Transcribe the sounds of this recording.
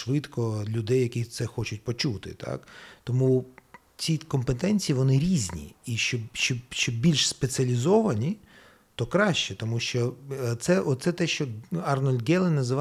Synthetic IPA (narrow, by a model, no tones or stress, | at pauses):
ʋɪt̪kɔlʲʊd̪ɛjːɐkʲisɛxɔt͡ʃʊt̚ʲpɔt͡ʃut̪ɪ̰t̪ʰɑ̰kt̪ɔmu | t͡sʲikɔmpet̪ɛnʲt͡sʲijiʋɔnɪɾʲizʲnʲḭiʃt͡ʃɔʃt͡ʃɔʃt͡ʃɔbʲilʲʃspet͡sʲɐlʲizɔʋɐnʲi | t̪ɔkɾɑʃt͡ʃɛt̪ɔmuʃt͡ʃɔt̪sɛʔɔt̪sɛt̪ɛʃt͡ʃɔɐrnɔlʲɡɛlˠɪnɐzɪʋɑ